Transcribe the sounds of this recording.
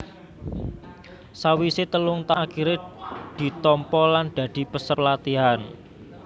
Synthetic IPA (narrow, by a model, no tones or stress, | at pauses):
sawiset̪əlʊŋt̪akiɾed̪̥i̤t̪ɔmpɔland̪̥ä̤d̪̥i̤pəsərlat̪iɦan